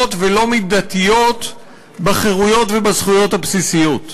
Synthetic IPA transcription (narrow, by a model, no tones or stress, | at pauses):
t̪velo̞midat̪ijo̞t̪ | baχeʁujo̞tvebazχujo̞thapsisijo̞t̪